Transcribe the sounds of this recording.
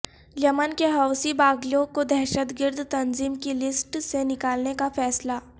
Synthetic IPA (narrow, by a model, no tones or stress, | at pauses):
d͡ʒɐmənkeɦaʊsibaːɡlõkod̪ɛɦʃət̪ɡɪɾd̪ʱt̪ɐnziːmkilɪsʈsenɪkaːlnekafɛːsla